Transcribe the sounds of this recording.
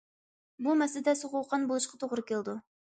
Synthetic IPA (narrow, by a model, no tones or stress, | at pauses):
bumɛslɪd̪ɛsoʁowqʰɑnbolˠuʃqʰɑt̪ʰoʁɾɨkʲelˠd̪u